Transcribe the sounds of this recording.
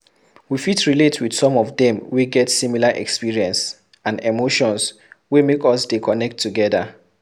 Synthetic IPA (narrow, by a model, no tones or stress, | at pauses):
wifitɹiletʰwid̥sɔ̃mɔvdɛ̃mwiɡɛtsĩmilaʔɛ̰kspiɹiɛ̃ns | ãnemoʃɔ̃ns | wimekɔsdikʰɔnɛk̚tʰːuɡɛða